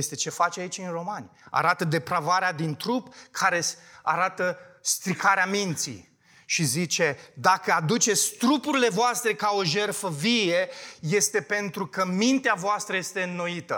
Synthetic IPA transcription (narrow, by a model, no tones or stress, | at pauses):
jest̪e̞t͡ʃe̞fat͡ʃait͡ʃʲɨnro̞manʲa̰ɾat̪əd̪e̞pɾavaɾead̪int̪ɾupkʰaɾe̞saɾat̪əst̪ɾikaɾeamint̪sḭ | ʃizit͡ʃe̞d̪akəad̪ut͡ʃe̞t̪sʲt̪ɾupuɾile̞voast̪ɾe̞kao̞ʒe̞rfəvije̞je̞st̪e̞pe̞nt̪ɾukəmint̪eavoast̪ɾəje̞st̪e̞ɨnːo̞it̪ə̰